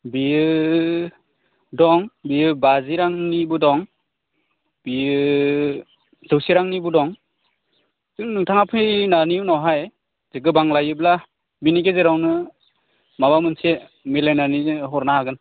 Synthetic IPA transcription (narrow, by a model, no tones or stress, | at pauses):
biɯ | dɔŋbijɯbaziɾaŋnibɯdɔŋ | bi | zɯwsiɾaŋnibɯdɔŋ | zɯŋnɯŋtʰaŋapʰɯjnaninɔwɦaj | zɯɡɯbaŋlajɯbla | binikezeɾawnɯ | mabamɯnse | melajnaniɦɔɾnaaɡɯn